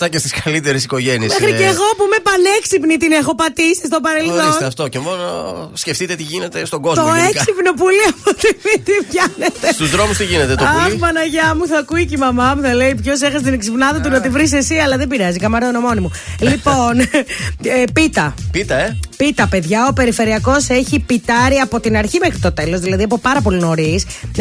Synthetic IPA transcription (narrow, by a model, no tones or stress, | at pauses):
t̪ɐcest̪iskɐlit̪eɾesiko̞ʝeniemexɾiceɣo̞pume̞pɐneksipnit̪ine̞xo̞pɐt̪isist̪o̞pɐɾe̞lθθoisnɐft̪ocemo̞nosceft̪it̪e̞t̪iʝinet̪e̞st̪o̞ɡo̞zt̪oekssipno̞p̬uliɐpot̪iit̪ivʝɐnet̪est̪uzðɾo̞must̪iʝine̞t̪et̪oɐpɐnɐʝɐmuθɐkuicimɐmɐmuθɐle̞ipço̞se̞xɐst̪ineksipnɐðɐt̪̬unɐt̪ivɾis̬esiɐlɐðebiɾɐzikɐmɐɾt̪onomo̞nimu | lipo̞n | pit̪ɐpit̪ɐepit̪ɐpe̞ðʝɐo̞pe̞ɾife̞ɾiɐko̞se̞çipit̪ɐɾiɐpo̞t̪inɐɾçimexɾit̪o̞t̪e̞lo̞zðilɐðiɐp̬o̞pɐɾɐp̬o̞lino̞ɾis